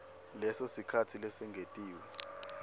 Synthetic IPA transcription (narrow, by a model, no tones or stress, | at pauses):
lɛsosikʰatʰilɛsɛŋɡʱetʼiːwɛ